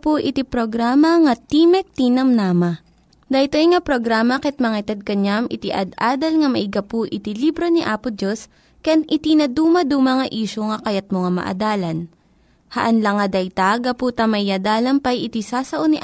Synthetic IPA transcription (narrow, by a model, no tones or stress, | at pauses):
pʊʔɪt̪ipɾoɡɾaːmɐŋɐt̪iːmɛk̚t̪inɐmnaːmɐ | d̪ɐjt̪ojŋɐpɾoɡɾaːmɐkɛt̪̚mɐŋɐjt̪ɐd̪̚kɐɲamʔɪt̪iʔɐ̰d̪aːd̪ɐlŋɐmɐʔɪɡɐpʊʔɪt̪ilibɾoniʔaːpʊdd͡ʒos | kɐjanʔɪt̪inɐd̪uːmɐd̪umɐŋɐʔiːʃoŋɐkɐjat̪̚moŋamɐ̰ʔɐ̰d̪aːlɐn | hɐ̰ʔɐnlɐŋɐd̪ɐjt̪aɡɐpuːt̪ɐmɐɪɐd̪aːlɐmpɐjʔɪt̪isaːsɐʔoniʔ